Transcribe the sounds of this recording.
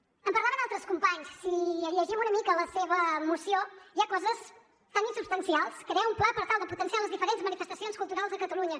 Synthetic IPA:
əmpəɾlˠaβənalˠt̪ɾəskumpaɲsːiəʎəʒɛmunəmikələseβəmusioiakɔzəs | t̪aŋinsubst̪ənsialˠskɾeəumplapəɾt̪alˠd̪əput̪ənsialəzðifəɾenzmənifəst̪əsionskulˠt̪uɾalˠzðəkət̪əluɲə

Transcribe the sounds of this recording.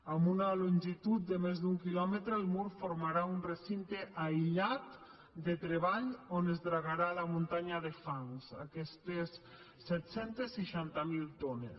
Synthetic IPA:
ambunaluɲʲʒit̪ut̪̚d̪emezd̪uŋkilɔmet̪ɾeːlmuɾfoɾmaɾaunresint̪eʔajʎat̪ | d̪et̪ɾeβaʎonezðɾaɣaɾalamunt̪aɲaðefaŋsa̰kɛst̪esː | ɛt̪sɛnt̪esːiʃant̪amilˠt̪onḛs

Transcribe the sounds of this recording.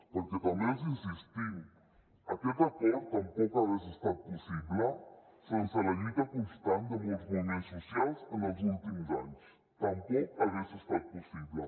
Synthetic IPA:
pəɾkɛt̪əmezənsist̪i | əkɛt̪əkɔɾt̪əmpɔkaɣɛsəst̪at̪̚pusiβlə | sensələʎut̪əkunst̪and̪əmuzmumensusialˠzənəlˠzulˠt̪imzaɲs | t̪əmbeəβɛsəst̪at̪̚pusiβlə

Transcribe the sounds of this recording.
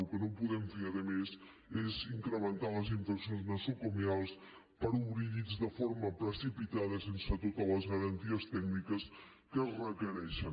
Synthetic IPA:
lˠkənompuðɛmfeəðəmez | eziŋkɾəmənt̪aləziɱfəksionznəsokomialˠs | pəɾuβɾiɾizdəfoɾməpɾəsipit̪aðəsensət̪ot̪ələzɣəɾənt̪iəst̪ɛknikəs | kərəkəɾɛʃən

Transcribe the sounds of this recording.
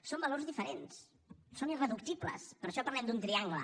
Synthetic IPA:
sombəloɾzðifəɾens | sonirəðuk̚t̪iblə̰spəɾʃɔpəɾlɛmd̪unt̪ɾiaŋɡlə̰

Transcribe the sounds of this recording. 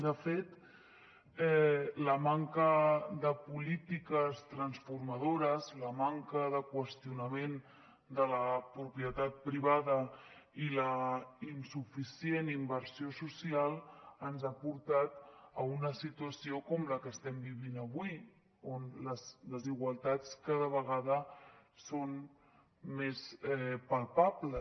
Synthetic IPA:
d̪əfet̪ | ɛləmaŋkəðəpulit̪ikəst̪ɾənsfuɾməð̞oɾəzləmaŋkəðəkwəst̪iunəmen | d̪ələpɾupiət̪at̪̚pɾiβ̞aðə | iləinsufisienimbəɾsiosusialˠənzapuɾt̪at̪əunəsit̪uəsiokɔmləkəst̪ɛmbiβinəβwi | onləsləziɣ̞walˠt̪at͡skað̞əβəɣ̞aðəson | mesɛpalˠpablə

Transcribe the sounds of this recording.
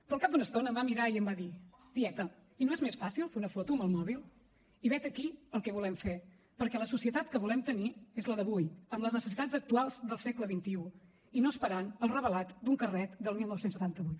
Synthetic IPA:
pɾɔːlˠkap̚d̪unəst̪onəːmbamiɾaiəmbaði | d̪̥iɛt̪əinoezmesfasilˠfeunəfɔt̪uəməlˠmɔβilˠ | iβɛt̪əkiəlˠkɛβ̞ulɛmfe | pəɾkɛləsusiət̪at̪kəβulɛmt̪əniezləðəβujəmləznəsəsit̪ad͡zzək̚t̪ualˠzðəlˠsɛkləβint̪iu | inoəspəɾanəlˠrəβəlat̪d̪uŋkərɛt̪d̪əlˠmilˠnɔwsensət̪ant̪əβujt̪

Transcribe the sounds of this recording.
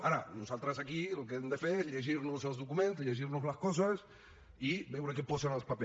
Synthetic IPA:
aɾanusalˠt̪ɾasakilok̬eend̪efeɾʎeʒiɾnuselˠzðukumẽnt̪ʎeʒiɾnuzlɐskɔs̬ɐs | ibewɾekepɔsenalˠspape

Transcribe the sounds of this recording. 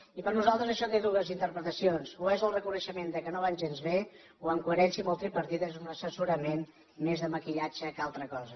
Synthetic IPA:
ipəɾnuzalˠt̪ɾəzəʃɔt̪eðuɣəzint̪əɾpɾət̪əsionsuezəlˠrəkunəʃəmend̪əkənoβ̞anʲʒenzβe | wəŋkuəɾɛnsiməlˠt̪ɾipəɾt̪it̪ezunəsəsuɾəmen | mezðəməkiʎad͡ʒəkalˠt̪ɾəkɔzə

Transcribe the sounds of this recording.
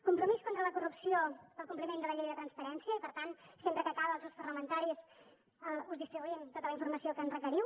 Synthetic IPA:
kumpɾumiskont̪ɾələkurupsiopəlˠkumplimend̪ələʎejðət̪ɾənspəɾɛnsiəipəɾt̪ansempɾəkəkaβəːlˠs̬ewspərləmənt̪aɾis | uzðist̪ɾiβuiənt̪ot̪ələiɱfuɾməsiokəːnrəkəɾiw

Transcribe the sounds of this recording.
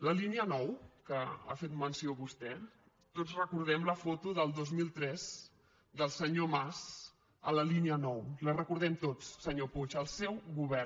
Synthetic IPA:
ləliniənɔwkəa̰fet̪mənsioβust̪ɛ | t̪ozrəkuɾð̞ɛmləfot̪uðəlˠd̪ozmilˠt̪ɾɛz | d̪əlˠsəɲomaz | ə̰ləliniənɔwlərəkuɾð̞ɛmt̪ot͡sːəɲoput͡ʃəlˠsɛwɣuβɛr

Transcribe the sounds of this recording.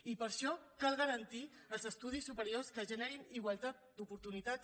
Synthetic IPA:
ipəɾʃɔkalˠɣəɾənt̪i | əlˠzəst̪uð̞isːupəɾioskəʒəneɾiniɣwəlˠt̪at̪̚d̪upuɾt̪unit̪at

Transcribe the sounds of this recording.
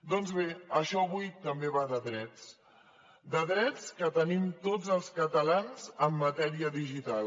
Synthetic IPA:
d̪ɔnzβeəʃɔəβ̞ujt̪əmbeβaðəðɾɛt͡s | d̪əðɾɛt͡skət̪ənimt̪od͡zəlˠskət̪əlanzəmːət̪ɛɾiəðiʒit̪al

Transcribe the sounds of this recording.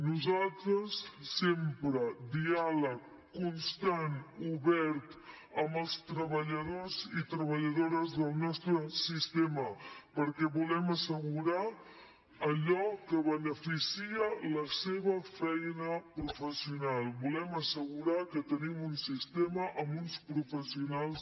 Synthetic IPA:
nuzalˠt̪ɾəsːempɾəd̪ialəkː | unst̪anuβɛɾt̪ | əmbəlˠst̪ɾəβəʎəð̞ozit̪ɾəβəʎəðoɾəzðəlˠnɔst̪ɾəsist̪eməpəɾkɛβulɛməsəɣuɾa | əʎɔkəβənəfisiələseβəfɛjnəpɾufəsiunalˠbulɛməsəɣuɾakət̪ənimunsist̪eməʔəmunspɾufəsiunalˠs

